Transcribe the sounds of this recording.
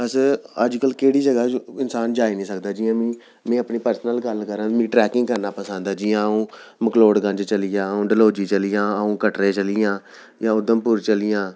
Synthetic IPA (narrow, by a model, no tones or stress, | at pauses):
əsəd͡ʒkəlkeːɽiːd͡ʒəɡaːɪnsaːnd͡ʒaːinĩːsəkd̪aːd͡ʒiːãːmĩː | mẽːəpniːpəɾsənəlɡəlkəɾãːmĩːʈɾɛːkɪ̃ŋɡkəɾnaːpəsə̃ːnd̪aːd͡ʒiːãːũːməkloːɽɡə̃nd͡ʒt͡ʃəlɪjãːəũːɖəloːd͡ʒiːt͡ʃəlɪjãːəũːkəʈɾeːt͡ʃəlɪjãː | jãːʊd̪əmpuːɾt͡ʃəlɪjãː